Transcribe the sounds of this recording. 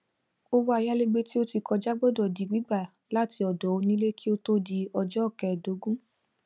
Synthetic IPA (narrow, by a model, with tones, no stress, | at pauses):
o˧wo˧˦a˧ja˦le˦ɡ͡be˧˦ti˦o˦ti˧kɔ˧d͡ʒa˦ɡ͡bɔ˦dɔ˨di˨ɡ͡bi˦ɡ͡ba˦˨ | la˦˨ti˧˦ɔ˨dɔ˨˦o˧nĩ˦le˦kʰi˦o˦to˦di˧ɔ˧d͡ʒɔ˦ɔ˦˨kɛ˨do˨˦ɡũ˦